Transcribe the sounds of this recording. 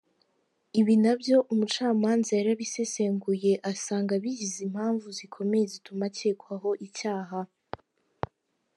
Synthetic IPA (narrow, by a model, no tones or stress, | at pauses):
iβinabjo̞ʔumut͡ʃaːmaːnzajaɾiaβise̞se̞ŋɡuje̞ʔasaːŋɡaβiɟizim̥haːɱvuzikʰo̞me̞jezitʰumaceːkwaɦo̞ʔicaːɦa